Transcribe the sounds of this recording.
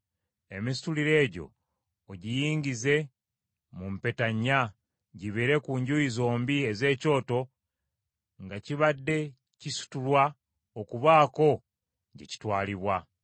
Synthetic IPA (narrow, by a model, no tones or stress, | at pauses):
e̞misi̥tuliɾe̞ːɟo̞̰ː | ɟijiːɲɡize̞ | mumpe̞taɲːa | ɟiβeɾe̞kuɲɟuizo̞ːmbieze̞ːco̞ːto̞ | ŋɡaciβadːe̞ | cisu̥tulwa | okuβaːko̞ | ɟḛci̥twaːliβwa